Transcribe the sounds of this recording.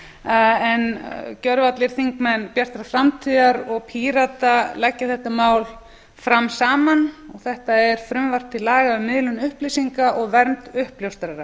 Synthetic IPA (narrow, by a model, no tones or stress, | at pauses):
ɛncœɾvat̪lɪɾ̥θiŋkmɛnpjar̥t̪ɾafɾamt̪ʰiːðaɾɔɣpʰiːɾat̪alɛcːaθɛht̪amaːwl | fɾamsaːmanɔɣθɛht̪aɛɾ̥fɾʏmvar̥t̪ʰːɪlaːɣaʏmɪðlʏnʏhplisiŋkaʔɔɣvɛɾnt̪ʏhpljowst̪ɾaɾa